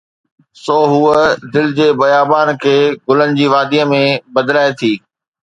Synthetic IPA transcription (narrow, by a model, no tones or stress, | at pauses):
soːɦuəd̪ɪlɪd͡ʑeːbɐjaːbaːnkʰeːɡʊlənɪ̆d͡ʑiːʋaːd̪iəmẽbɐd̪laːet̪ʰiː